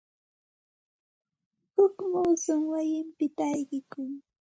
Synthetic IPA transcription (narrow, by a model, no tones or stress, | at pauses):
hʊkmuːsʊŋwajɪmpɪt̪aːjɢɪkʊŋ